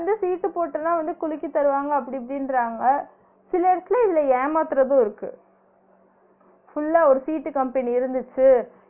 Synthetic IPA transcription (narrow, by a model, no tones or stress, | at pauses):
ɐnd̪ɯsiːʈːɯpoːʈːɐnãːʋɐnd̪ɯkʊlɪkːit̪ɐɾɯʋaːŋɡɐːp̬ːɐɽipɐɽɪnɾaːŋɡɐ | sɪlɐɪɽɐt̪ːɪlɐ̃ɪðɪlɐeːmaːt̪ɪɾɐðõːɪɾɯkːɯ̰ | fʊlːaːɔɾɯsiːʈːɯkɐmpɛniɪɾɯnd̪ɯt͡ʃːɯ